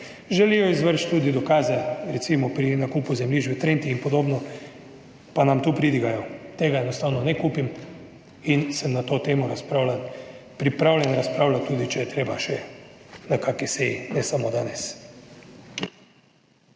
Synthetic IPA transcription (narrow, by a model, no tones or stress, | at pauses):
ʒɛlijɔizʋəɾʃt̪t̪uːd̪id̪ɔkaːzɛɾɛt̪simɔpɾinakuːpuzɛmliʒbit̪ɾent̪iinpɔd̪oːbnɔ | panamt̪uːpɾid̪iɡajɔt̪eːɡaɛnɔst̪aːwnɔnɛkuːpim | insəmnat̪oːt̪eːmɔɾaspɾalapɾipɾawlʲjɛnɾaspɾaːwlat̪ːuːd̪it͡ʃɛjɛt̪ɾeːbaʃɛnakakisejinɛsamod̪aːnɛs